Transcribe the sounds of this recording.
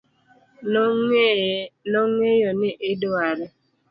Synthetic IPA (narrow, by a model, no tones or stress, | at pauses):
nɔŋejɔnɪʔɪdwaɾɛ